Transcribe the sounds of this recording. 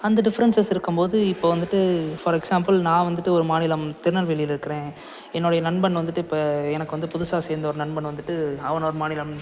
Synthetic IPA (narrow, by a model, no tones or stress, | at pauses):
ɐnd̪ɐɖɪfɐɾɐnsɐsɪɾɯkːɯmpoːðɯɪpːoːʋɐnd̪ɯʈːɯfɐɾɛksaːmpɐlnãːʋɐnd̪ɯʈːɯɔɾɯmaːnɪlɐmt̪ɪɾɯnɐlʋɛɭɪjɪlɪɾɯkːɪɾẽː | ɛnːoɽɐjɐnɐɳbɐnʋɐnd̪ɯʈːɯɪpːɐɛnɐkːɯʋɐnd̪ɯpʊðʊsaːsɛːɾɯnd̪ɐɔɾɯnɐɳbɐnʋɐnd̪ɯʈːɯɐʋɐnɔɾɯmaːnɪlɐm